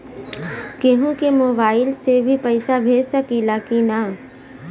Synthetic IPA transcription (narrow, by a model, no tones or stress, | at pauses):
keɦũkemoːbaːɪlsebʱipɛɪsabʱeːd͡ʒsəkilakina